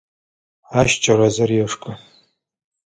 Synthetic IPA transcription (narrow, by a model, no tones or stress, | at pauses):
aʃt͡ʃʼarazarjaʂkʼa